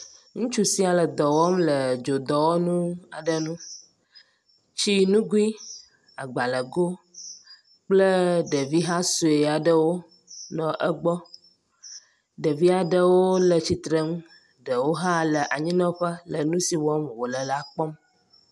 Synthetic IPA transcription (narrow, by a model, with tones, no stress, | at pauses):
ŋũ˦t͡ʃu˦si˦a˨lə˨d̪ɔ˨wɔ˦mlə˨d͡ʒo˨d̪ɔ˨wo˦nũ˦a̰˨ɖə˨nũ˦ | t͡ɕi˦nũ˦ɡu˦i˦ | a˨ɡ͡ba˨lə˨ɡo˦ | k͡plə˦ɖə˨vi˦ɦa˦su˨e˨a˨ɖə˦wo˦ | nɔ̃˨ʔə˦ɡ͡bɔ˦ | ɖə˨vi˦a˨ɖə˦wo˦lə˨t͡ɕi˨t̪ɾə˦m˦ | ɖə˨wo˦ɦã˦lə˨ʔa˨ɲĩ˦nɔ̃˦ɸə˦lə˨nũ˦si˨wɔ˦mwo˨lə˨la˦k͡pɔ˦m